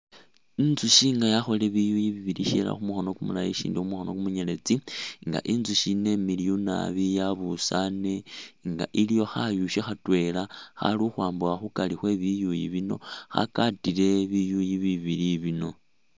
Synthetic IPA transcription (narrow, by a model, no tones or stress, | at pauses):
inzuʃiːŋɡajaxo̞le̞βijujiβiβiliʃḛla̰xumuxo̞no̞kumulajeʃḭːndixumuxono̞kumuɲele̞t͡siŋɡa̰ʔinzuʃine̞miliuna̰βijaβusane̞ŋɡa̰ʔilijo̞xajuʃexatwe̞laxa̰luxwaːmbuaxukalixwe̞βijujḭβino̞̰xa̰katiɾe̞βijujiβiβiɾiβino̞